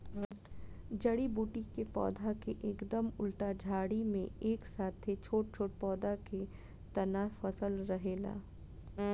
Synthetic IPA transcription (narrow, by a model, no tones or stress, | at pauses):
d͡ʒɐɽibuːʈikepɔ̰ːd̪ʱakeʔeːkd̪əmʊlʈad͡ʒʱaːɽimḛ̃eːksaːt̪ʰet͡ʃʰoːʈ̚t͡ʃʰoːʈpɔːd̪ake | t̪ɐnaːfɐsəlɾɐɦeːla̰ː